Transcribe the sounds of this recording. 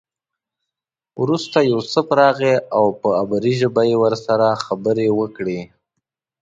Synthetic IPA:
wɾust̪ajawsəpɾɑɣeʔawpəabaɾiʒəbajewəɾsaɾaxabəɾewəkɽe

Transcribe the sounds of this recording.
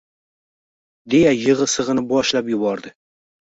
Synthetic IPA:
d̪e̞jajɨʁɨsɨʁɨnɪbɒʃlapjʊbɒɾd̪ɪ

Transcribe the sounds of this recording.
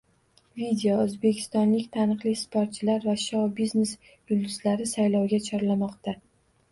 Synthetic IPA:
vid̪ʲeoɵzbe̞kʲʰɪ̥st̪ɒnlɪkʲt̪ʰanɨqlˠɪspʰoɾt̪̚t͡ʃʰɪlaɾvaʃɒwbizne̞s | jʊld̪ɪzlaɾɪsajlɒwɡʲat͡ʃʰɒɾlamɒqt̪a

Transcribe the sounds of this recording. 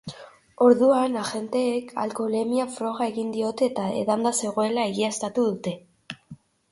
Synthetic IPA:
o̞ɾðuanaʝe̞nt̪e̞ːkʰa̰lko̞le̞miafɾo̞ɣ̞ae̞ɣind̪io̞t̪e̞ːt̪ae̞̰ðand̪ase̞ɣ̞o̞e̞lae̞ɣiast̪at̪uðut̪e̞

